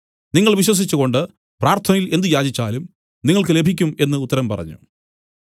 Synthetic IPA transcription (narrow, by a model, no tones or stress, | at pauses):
niŋːɐɭʋiɕ̬wɐs̬it͡ɕːuɣo̞ɳɖɨ | praːrt̪ʰɐnɐjile̞nd̪ɨjaːd͡ʑit͡ɕːaːlum | niŋːɐɭkɨle̞bʱikʲːume̞nːɨut̪ːɐɾɐmpɐrɐ̰ɲːṵ